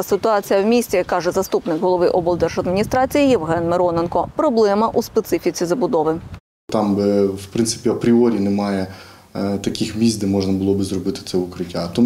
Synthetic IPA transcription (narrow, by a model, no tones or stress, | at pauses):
sɪt̪ʊɑt͡sʲijɐwmʲisʲt͡sʲikːɑʒɛzɐst̪upnɪkɦɔlˠɔʋɪʔɔbɔlˠd̪ɛrʒɐd̪mʲinʲist̪ɾɑt͡sʲijijiwɦɛnmeɾɔnenkɔpɾɔblˠɛmɐʔuspet̪sɪfʲit͡sʲizɐbʊd̪ɔʋɪ | t̪ɑmbɪwpɾɪnsɪ̥pʲiɐpɾʲiɔɾʲinemɑjɛ | t̪ɐkʲixmʲizʲd̪ɛmɔʒnɐbʊlˠɔbɪzrɔbɪt̪ɪ̥t̪sɛʊkɾɪtʲːat̪ɔ